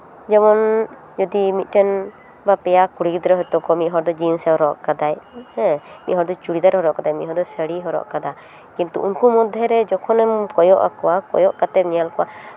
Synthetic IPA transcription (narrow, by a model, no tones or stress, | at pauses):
d͡ʒɛmɔn | d͡ʒɔd̪imit̪̚ˀʈɛn | bapɛjakuɽikd̪ɾɛɦɔjt̪ɔkɔmit̪̚ɦɔɾd̪ɔd͡ʒinsɛɦɔɾɔʔkad̪ajhɛ̃miʔ̪ɦɔɾd̪ɔt͡ʃuɽid̪aɾhɔɾɔʔkad̪ajmḭʔ̪̚ɦɔɾd̪ɔsəɽiɦɔɾɔ̰ʔkad̪a | kint̪ṵʔunkumɔd̪ʱɛɾɛd͡ʒɔkʰɔnɛmkɔjɔʔa̰kɔwakɔ̰jɔʔkat̪ɛp̚nijalkɔwa